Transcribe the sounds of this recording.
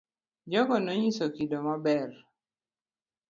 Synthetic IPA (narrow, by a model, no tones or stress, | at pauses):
d͡ʒɔɡɔnɔɲisokidomabɛr